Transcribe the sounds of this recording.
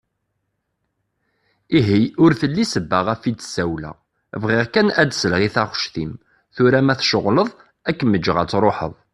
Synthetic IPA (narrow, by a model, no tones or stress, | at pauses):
iɦiʊɾθəlːisəbːəʁæfid̪ə̥sæwlæ̰ | vʁɪʁkænæd̪səlʁiθæχʃθim | θʊɾæmæθʃʊʁləðˤ | ækːməd͡ʒːəʁæt͡sːɾˤoħə̰ðˤ